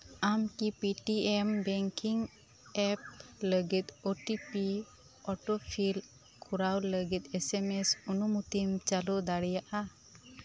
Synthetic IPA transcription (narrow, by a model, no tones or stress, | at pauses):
amkipiʈiɛmbɛŋkiŋ | ɛp̚ləɡɛt̪oʈipi | ɔʈɔpʰil | kʰuɾawləɡɛt̪̚ɛsɛmɛsunumut̪imt͡ʃalɔd̪aɽɛjaʔa